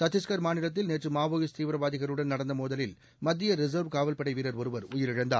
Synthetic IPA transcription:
t̪ɐt̪ːɪskɐɾmaːnɪlɐt̪̬ːɪlneːʈrɯmaːʋoːɣɪst̪iːʋɾɐʋaːðɪɣɐɾɯɽɐnnɐɽɐnd̪ɐmoːðɐlɪl | mɐd̪ːɪjɐɾɪzɐɾʋkaːʋɐlpɐɽɐɪʋiːɾɐɾɔɾɯʋɐɾʊjɪɾɪɻɐnd̪a̰ː

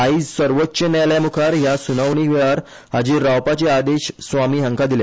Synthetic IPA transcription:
aid͡zsəɾʋətːɕənajljamukʰaɾjasunaʋɳ̃iʋaɾ | ad͡ʑiːɾawpat͡ɕead̪eɕsʋamiːɦə̃ŋkad̪ile

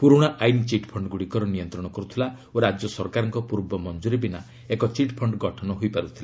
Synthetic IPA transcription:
puɾuɽ̃aʔajnit͡ʃiʈpʰɔɳɖɡuɽikɔɾɔnijɔnt̪ɾɔɽ̃ɔkɔɾut̪ʰila | oɾad͡ʒjɔsɔɾkaɾɔŋkɔpuɾbɔmɔnd͡ʒuɾibina | ekɔt͡ʃiʈpʰɔɳɖɡɔʈʰɔnɔɦojpaɾut̪ʰila

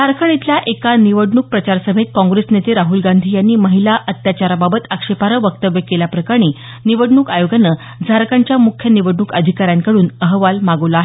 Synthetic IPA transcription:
d͡zʱaɾkʰəɳit̪ljaʔekaniʋəɽɳuk̚pɾət͡ɕaɾsəm̤ʱet̪̚kɔ̃ŋɡɾesnet̪eɾaɦuːlɡand̪ʱiːjanːiːməɦilaʔət̪jat͡ɕaɾababət̪əkʂepaɾəʋək̚t̪əʋjəkeljapɾəkaɽ̃i | niʋəɽɳuːkajoɡanə | d͡zʱaɾkʰaɲt͡ɕjamukʰjəniʋəɖɳukəd̪ʱikaɾjaŋkəɽuːnəɦʋalmaɡəʋlaaɦe

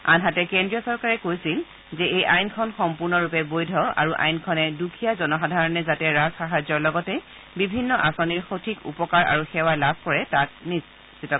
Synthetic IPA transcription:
a̰nɦatɛkɛndɹijɔsɔɹkaɹɛkojsil | zɛejʔajnkʰɔnxɔmpuɹnɔɹupɛbojdʱɔa̰ɹuʔa̰jnkʰɔnɛdukʰijazɔnɔxadʱaɹɔnɛzatɛɹasxaɦazɔɹlɔɡɔtɛ | bibʱinːɔʔasɔniɹxotʰikṵpɔkaɹa̰ɹuxɛwalab̚ʱkɔɹɛtak̚nis | itɔ

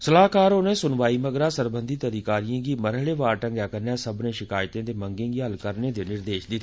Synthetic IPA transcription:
səlaːkaːɾoːnẽːsʊnʋaːiːməɡɾaːsəɾbənd̪iːt̪əɾiːkaːɾijãːɡiːməɾɦɭeːʋaːɾʈə̃ŋɡjaːkəɾnɛːsəbnẽːʃɪkaːjt̪ẽːd̪eːməŋɡɪ̃ːɡiːɦəlkəɾnẽːd̪eːnɪɾd̪eːʃd̪i

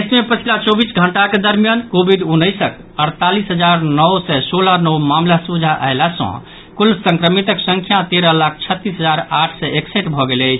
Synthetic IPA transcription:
esmepət͡ʃʰilat͡ʃɔbisɡʱəɳʈaked̪əɾmijankobid̪unːəɪsək | əɾt̪alisɦəd͡ʒaɾnəwsɛsolanɔwmamlasud͡ʒʱaʔəɦelasə̰̃ | kulsə̃ŋkɾəmit̪əksə̃ŋkʰjat̪eɾəlak̚ʰt͡ʃʰət̪ːisɦəd͡ʒaɾaʈʰsɛekseʈbʱɔɡeləɪt͡ʃʰ

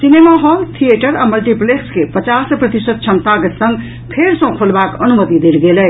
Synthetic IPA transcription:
sinemaɦolt̪ʰieʈəɾaməlʈipleskepət͡ʃaspɾət̪isəd̪̚t͡ʃʰəmt̪akesə̃ŋɡ | pʰeɾsə̃kʰolbakənumət̪id̪elɡelə

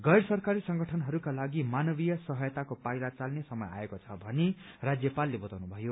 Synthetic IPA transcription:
ɡʌjɽsʌrkaɾisʌŋɡʌʈʰʌnɦʌɾukalaɡimanʌbijʌsʌɦʌjt̪akopajɾat͡salnesʌmʌja̰ekot͡sʰʌbʱʌne | rad͡zjʌpalːebʌt̪awnubʱʌjo

